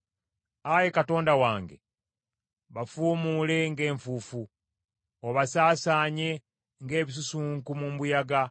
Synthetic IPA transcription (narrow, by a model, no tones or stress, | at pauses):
aje̞kato̞ːndawaːŋɡḛ | βafuːmuːle̞ŋɡe̞ːɱfufu | oβasaːsaːɲe̞ | ŋɡe̞ːβis̬usuːŋkumumbujaɡa